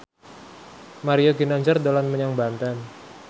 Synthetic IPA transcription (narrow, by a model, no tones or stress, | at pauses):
maɾioɡinaɲd͡ʒərdolanməɲaŋbant̪an